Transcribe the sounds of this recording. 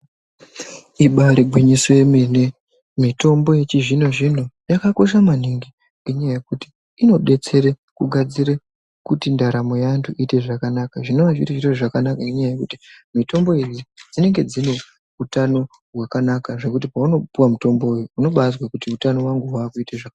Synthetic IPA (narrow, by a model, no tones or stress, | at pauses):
iɓaɾiɡʱwiɲisweemene̞ | mito̞mbo̞je̞t͡ʃiʐino̞ʐino̞jakako̞ʃ̬amaniŋɡi | ŋɡeɲajaje̞kuti̥ | ino̞ɓe̞t͡se̞ɾe | kuɡʱad͡ziɾe | kutindaɾamo̞jantʰuʔite̞ʐakanakaʐinoʋaʐḭtiʐiteʐakanakaeɲajaje̞kutimito̞mbo̞ed͡zid͡zine̞ŋɡe̞d͡zine̞ | utano̞ | wakanakaʐe̞kut̬ipauno̞puwamuto̞mbo̞ujuːno̞ɓazwakutiutano̞waŋɡuɦwaːkuiteʐak